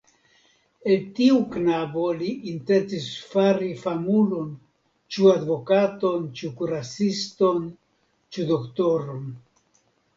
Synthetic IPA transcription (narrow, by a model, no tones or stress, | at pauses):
eltiuknabo̞liʔintent͡sisfaɾifamulo̞n | t͡ʃuadvo̞kato̞nt͡ʃukuɾasisto̞n | t͡ʃudo̞ktoɾon